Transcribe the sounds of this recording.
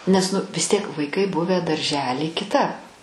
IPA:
nʲɛs ˈnʊ ʋʲɪs ˈtʲiɛk ʋɐɪˈkɐɪ ˈbʊʋʲæː dɐrʲˈʒʲæːlʲiː kʲɪˈtɐp

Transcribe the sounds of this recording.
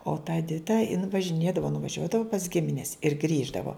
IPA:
oː tɐ ɛˈdʲɪtɐ ɪn ʋɐʒʲɪˈnʲeːdɐʋoː nʊʋɐˈʒʲuɔdɐʋʊ pɐs ˈɡʲɪmʲɪnʲɛs ɪr ˈɡrʲiːʒdɐʋoː

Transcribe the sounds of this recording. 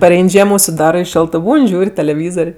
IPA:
pɐˈrʲɛɪnʲ ˈʒʲiɛmoː ʊʃʲsʲɪˈdɑːrɜ ɪ ˈʃʲoːlˠtɜ ˈbuːnʲ ˈʒʲuːrʲ tʲɛlʲɛˈʋʲiːzoːrʲ

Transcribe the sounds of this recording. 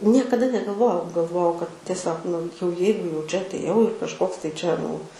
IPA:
ˈnʲiɛkɐˈdɐ nʲɛɡɐlˠˈʋoːjɛʊ ɡɐlˠˈʋoːjɛʊ kɐt tʲiɛˈsʲoːk nʊ jɛʊ ˈjɛɪɡʊ jɛʊ ˈt͡ʃʲɛ ɐtʲˈeːjɛʊ ɪr kɐʃˈkoːks tɐɪ ˈt͡ʃʲɛ nʊ

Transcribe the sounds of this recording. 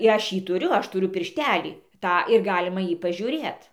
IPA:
ɪ ˈɐʃ ˈjiː tʊˈrʲʊ ˈɐʃ tʊˈrʲʊ pʲɪrʲˈʃʲtʲæːlʲiː ˈtɑː ɪr ˈɡɑːlʲɪmɐ ˈjiː pɐʒʲuːˈrʲeːt

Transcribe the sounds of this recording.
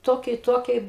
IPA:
ˈtoːkʲiɛ ɪ ˈtoːkʲiɛ

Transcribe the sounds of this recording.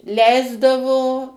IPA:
ˈlʲɛɪzdɐʋoː

